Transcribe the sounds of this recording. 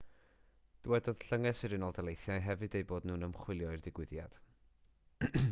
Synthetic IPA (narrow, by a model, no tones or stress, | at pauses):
d̥wɛdɔð̥ɬəŋɛsɨɾɨnɔlˠdalˠejθjajɦɛvɨdejboːdnuːnəmχwɪlˠjɔɨrdɪɡwɪðja̰d̥